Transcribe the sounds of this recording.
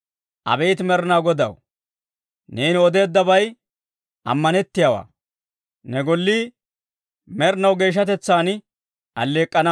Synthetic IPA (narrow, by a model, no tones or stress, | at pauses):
ʔɐ̰bɛjt̪mɛɾnawɡɔd̪ɐ̰w | neːnɔd̪e̞ːd̪ːɐbɐj | ɐ̰mːɐnɛt̪ːɪjaːwa̰ː | nɛɡɔlːi | mɛɾnɐwɡe̞ːʃ̬ːɐt̪ɛt͡sːaːn | ʔɐlːe̞ːkʼːɐnɐ